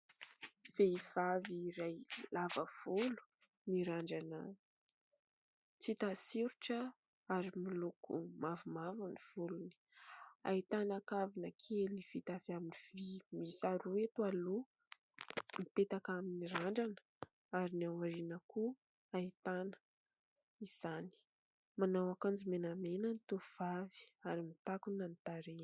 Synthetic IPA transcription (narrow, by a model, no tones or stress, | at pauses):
v̥eiv̥aviːɾajlavəv̥ulu̥ | niɾaɳɖ͡ʐanə | t͡sit̪asiɾuʈ͡ʂə | aɾimilukṵmavumavuniv̥uluni̥a̰it̪anakavinəkʰeliv̥it̪avaminiv̥imisaɾuwet̪ualu | mipet̪akaminiɾaɳɖ͡ʐanə̥ | aɾiniawaɾinəku | ait̪anə̥ | iz̥ani̥ | manawakand͡zimenamenənit̪uv̥avi̥aɾimit̪akunanit̪aɾe